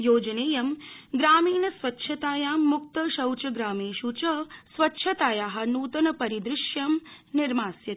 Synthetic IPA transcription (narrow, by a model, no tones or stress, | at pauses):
joːd͡ʒɐneːjɐmɡɾaːmiːnɐsʋɐtːʃʰɐt̪aːjaːmːukt̪ɐʃɐwt͡ʃɐɡɾaːmeːʃut͡ʃɐsʋɐtːʃʰɐt̪aːjaːɦɐ̆nuːt̪ɐnɐpɐɾid̪ɾɪʃjɐmniɾmaːsjɐt̪i̥